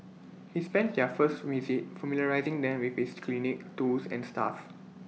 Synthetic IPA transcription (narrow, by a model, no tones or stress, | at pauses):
hispɛ̃nt̚dɛfəstmjuzik̚familjəɹaɪzĩŋdɛ̃mwifhiskʰlinik̚tusɛ̰̃nsta̰f